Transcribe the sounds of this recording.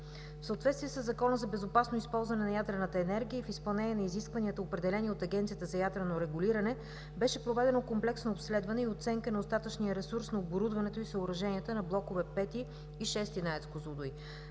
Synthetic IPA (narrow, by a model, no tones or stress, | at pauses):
fsəot̪vɛt̪t̪viɛsəzːɐkɔnəzɐbɛzopasnoispɔlˠzvɐnɛnɐjad̪ɾənət̪əɛnɛɾɡ̟ʲiəifispɐlˠnɛniənɐiziskvɐniət̪əopɾɛd̪ɛlɛnʲiot̪ɐɡʲɛnt̪siət̪əzɐjad̪ɾənoɾɛɡʊliɾɐnɛ | bɛʃɛpɾovɛd̪ɛnokomplɛksnoːpslɛd̪vɐnɛiot̪sɛŋkənɐost̪at̪ət͡ʃnijəɾɛsuɾsnɐoboɾud̪vɐnɛt̪oisəʊɾɐʒɛniət̪ənɐblˠɔkovɛpɛt̪iː | ʃɛst̪inaɛt̪skozud̪ʊj